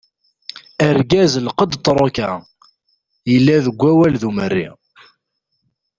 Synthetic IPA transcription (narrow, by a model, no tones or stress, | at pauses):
əɾɡæzlqəd̪t̪ˤːɾˤokæ | jəlːæðəɡʷːæwælðumərːḭ